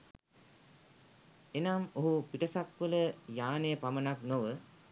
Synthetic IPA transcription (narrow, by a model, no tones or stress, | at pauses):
enamoɦupiʈəsakʋələjaːnejəpamənaknoʋə